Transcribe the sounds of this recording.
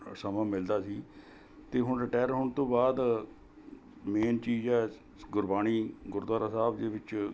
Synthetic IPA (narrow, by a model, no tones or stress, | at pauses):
səmãːmɪld̪aːsiː | t̪eːɦʊɳɾɪʈaːəɾɦʊːɳt̪õːbaːd̪ | meːnt͡ʃiːzɛː | ɡʊɾbaːniːɡʊɾd̪waːɾaːsaːbd͡ʒeːʋɪt͡ʃ